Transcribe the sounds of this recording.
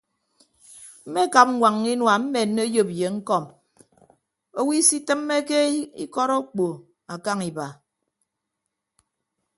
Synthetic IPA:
m̩˦me˦˨ka˨p̚ŋʷwʷa˨ŋːi˦nwa˨m̩˦me˨n̩ː˦e˦jo˨pje˨ŋ̩˦kɔ˦˨m | o˦wi˦si˦tɨ˦mːe˦ke˦ḭ˦kɔ˦ɾo˦k͡po˨ | a˨ka˦ŋi˨ba˨

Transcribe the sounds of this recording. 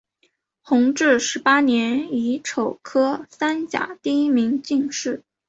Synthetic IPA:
xʊ˧˥ŋʈ͡ʂɻ̩˥˩ʂɻ̩˧˥pa˥njɛ˧˥ni˧˥ʈ͡ʂʰo˨˩ʊkʰɤ˥sa˥nt͡ɕja̰˨˩t̪i˥˧i˥mi˧˥ŋt͡ɕi˥˧ŋʂɻ̩˥˩

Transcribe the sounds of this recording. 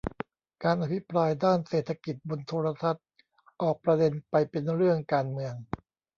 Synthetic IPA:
kaː˧nʔa˧˩pʰi˦˥pɾaː˧jdaː˥˩nseː˨˩t̪ʰːa˧ki˨˩t̪̚bo˧nt̪ʰoː˧ɾa˧t̪ʰa˦˥t̪̚ | ʔɔː˨˩k̚pɾa˧de˧npa˧jpe˧nɾɯ˥˩əŋkaː˧nmɯ˧əŋ

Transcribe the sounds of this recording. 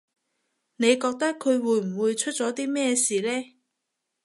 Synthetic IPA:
ne˨˧jkɔː˧k̚t̪ɐ˥kʰːɵ˨˧ɥwuː˨˧jm̩˨˩wuː˨˧jt͡ʃʰɵ˥t̚t͡sɔː˨˥t̪iː˥mɛː˥˩siː˨lɛː˥

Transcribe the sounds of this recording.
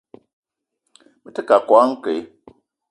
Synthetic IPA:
bɨ˦tɨ˦ka˨kwa˦ŋ̩˦ke˨˦

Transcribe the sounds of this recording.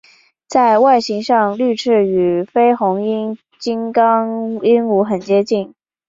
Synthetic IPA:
t͡sa˥˧ɪwa˥˩ɪɕi˧˥ŋʂɑ˥˧ŋly˥˧ʈ͡ʂʰɻ̩˥˩y˨˩fe˥ɪxʊ˧˥ŋi˥n | t͡ɕi˥nkɑ˥ŋi˥nu˧˥xə˨˩nt͡ɕjɛ˥t͡ɕi˥˩n

